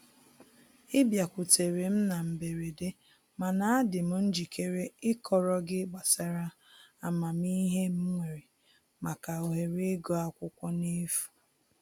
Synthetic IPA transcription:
ɪ˦bja˨kʷʊ˨te˨ɾe˨m̩˦na˨m̩˨be˨ɾe˨de˦ | ma˨na˨a˦dɪ˨m̩˦n̩˦d͡ʒi˨kʰe˦ɾe˦ɪ˦kʰɔ˨ɾɔ˦ɡɪ˦ɡ͡ba˨sa˦ɾa˦ | a˨ma˨mi˦ɦe˦m̩˦ŋʷe˨ɾe˨ | ma˨ka˨o˨ɦe˨ɾe˦ɡɔ˦a˦kʷʊ˦kʷɔ˦ne˦fu̥˨

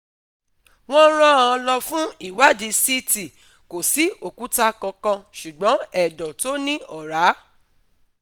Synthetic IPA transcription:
w̃ɔ̃˦ɾ̃ã˦˨ã˧lɔ˧fũ˦i˦˨wa˦dĩ˨˦si˦ti˨ | ko˨si˨˦o˨ku˨˦ta˧kã˧kã˧ʃu˨ɡ͡bɔ̃˨˦ɛ˦˨dɔ̃˨to˦nĩ˦ɔ˦˨ɾa˨˦

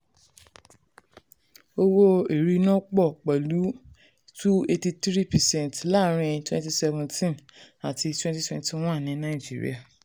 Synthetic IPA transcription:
o˦wo˦e˨ɾi˦nɔ̃˦k͡pɔ˦˨k͡pɛ˨lu˨˦ | tu˦e˦˧ti˧tɾi˦pɛ˨sɛ̃˦˨ntla˦˨˦ɾ̃ĩ˧twɛ̃˦nti˧sɛ˧vɛ̃˨ntʰĩ˦na˨ti˧twɛ̃˦nti˦twɛ̃˧ntĩ˦w̃ɔ̃˦˨nĩ˨˦nã˦i˦˨d͡ʒḭ˦ɾḭ˦a˨

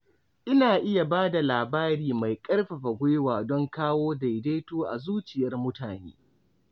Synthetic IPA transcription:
ʔɪ˦naː˨ʔɪ˦ja˨baː˦da˨laː˨baː˦ɽiː˦˨ma˨jkʼɐ˦rɸa˨ɸa˨ɡʷʊ˦jwaː˨dɔ˦ŋkaː˦woː˦da˨jdeː˦toː˦ʔa̰˨zuː˦t͡ʃɪ˨jɐ˦rmʊ˦taː˨nḛː˦

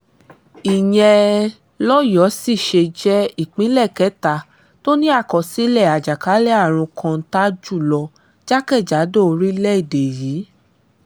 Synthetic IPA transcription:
i˨j̃ɛ̃˧ | lɔ˦jɔ˨˦si˦˨ʃe˧d͡ʒɛ˦i˦˨k͡pĩ˨˦lɛ˦˨kɛ˨˦ta˧˨ | to˦nĩ˦a˦˨kɔ˨si˨˦lɛ˦˨a˨d͡ʒa˨ka˨˦lɛ˦a˦˨ɾ̃ũ˧kʰã˧˦ta˦d͡ʒu˦˨lɔ˧ | d͡ʒa˦kɛ˦˨d͡ʒa˨˦do˦o˧ɾi˦lɛ˦i˦˨de˨jiː˨˦

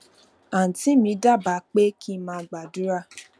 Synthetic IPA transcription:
a˨n̩˨ti˨˦mĩ˧˦da˦˨ba˨˦k͡pe˦kʰi˦mãː˧ɡ͡ba˨du˦ɾa˦˨

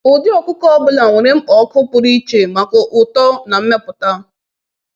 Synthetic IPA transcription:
ʊ˨dɪ˦ɔ˨kʷʊ˦kɔ˦ɔ˦bʊ˦la˨ŋʷe˨ɾe˦m̩˦ɔ˨˦kʊ˦pʊ˨ɾi˦t͡ʃe˨ma˨kʊ˨ʔʊ˨tɔ˦na˨m̩˦me˦pʊ˨ta˦

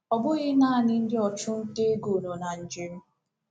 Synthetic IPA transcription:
ɔ˨bʊ˦ɣɪ˦naː˦˨nɪ˦n̩˦dɪ˦ɔ˨t͡ʃʊ˦n̩˦ke˦ɡo˨no˨na˨n̩˨d͡ʒe˦m̩˦

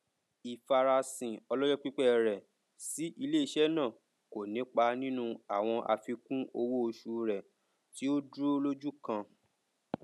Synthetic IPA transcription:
i˨fa˨ɾa˧sĩ˨ɔ˧lɔ˦jɔ˦k͡pi˦k͡pɛ˦˨ɾɛ˨ | si˨˦ʔi˧le˦i˧˦ʃɛ˦nã˦˨ | ko˨nĩ˨˦k͡pa˧nĩ˦nũ˦a˨w̃ɔ̃˧ʔa̰˧fi˧kũ˦o˧wo˦o˧ʃu˧ɾɛ˨ | ti˦o˦dɾlo˦d͡ʒu˦kã˧

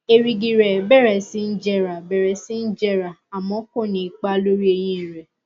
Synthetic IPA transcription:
e˨ɾi˧ɡi˧ɾɛ˨bɛ˦˨ɾɛ˨si˦n̩˦d͡ʒɛ˦ɾa˨bɛ˨ɾɛ˨˦si˦n̩˦d͡ʒɛ˦˨ɾa˨a˨mɔ̃˨˦ko˦˨nĩ˨i˨k͡pa˦lo˦ɾi˦e˧j̃ĩ˧˦˨ɾɛ˨

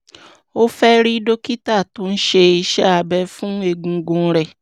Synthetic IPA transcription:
o˦fɛ˦ɾi˦do˦ki˦ta˦˨to˨˦n̩˦ʃe˧i˧ʃɛ˦a˧˨bɛ˧fũ˦e˧˨ɡũ˧ɡũ˧˦ɾɛ˨

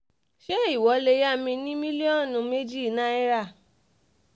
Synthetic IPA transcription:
ʃe˦i˦˨wɔ˨˦le˧˦ja˦˨mĩ˧nĩ˦mĩ˦li˦ɔ̃˦˨nũ˨˧˦me˦d͡ʒi˦˨nã˦i˦ɾa˦˨

